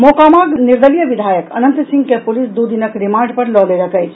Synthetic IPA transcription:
mokamaɡniɾd̪əlijəbid̪ʱajəkə̰nənt̪sĩŋɡkepulisd̪ud̪inəkɾimaɳɖpəɾlɔleɾəkəjt͡ʃʰ

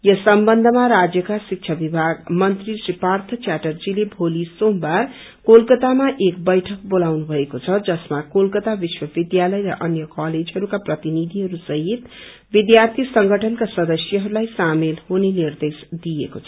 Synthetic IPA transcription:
jʌsʌmbʌnd̪ʱʌmaɾad͡zjʌkasik̚t͡ʃʰʌbibʱaɡmʌnt̪risripart̪ʰʌt͡ʃaʈʌrd͡zilebʱolisombar | kolkʌt̪amaʔekbʌjʈʰʌk̚bolawnubʱʌekot͡sʰʌd͡zʌsmakolkʌt̪abiswʌbid̪jalʌjɾʌ̰ʔʌnjʌkaled͡zɦʌɾukaprʌt̪inid̪ʱiɦʌɾusʌɦit̪ | bid̪jart̪ʰisʌŋɡʱʌʈʰʌnkasʌd̪ʌsjʌɦʌɾulajsamelhonenird̪esd̪ijekot͡sʰʌ̥

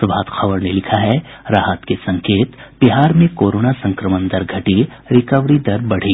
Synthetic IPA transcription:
baːt̪xɐbəɾnelɪkʰaɦɛ | ɾaːɦət̪kesɐ̃ŋkeːt̪b̥ɪɦaːɾmẽkoːɾoːnasɐ̃ŋkɾəmə̃nd̪ɐɾɡʱɐʈi | ɾɪkəʋɾid̪ɐɾbɐɽ̤iː

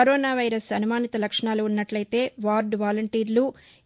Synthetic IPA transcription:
ɐɾoːnaːʋɐjɾɐsɐnumaːnit̪ɐlɐkʂɐɳaːluːnːɐʈlɐjt̪e̞ːʋaːɾɖʋaːlɐɳʈiːɾlu

